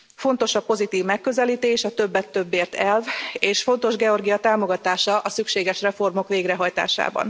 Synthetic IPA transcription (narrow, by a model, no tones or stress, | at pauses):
fo̞n̪t̪o̞ʃɒpo̞zit̪iːvmɛkːø̞zɛliːt̪eːʃɒt̪ø̞bːɛt̪ːø̞bːeːrt̪ɛlveːʃfo̞nt̪o̞ʒɡɛo̞rɡijɒt̪aːmo̞ɡɒt̪aːʃɒʔɒsykʃeːɡɛʃrɛfo̞rmo̞kʋeːɡrɛɦɒjt̪a̰ːʃa̰ːbɒ̰n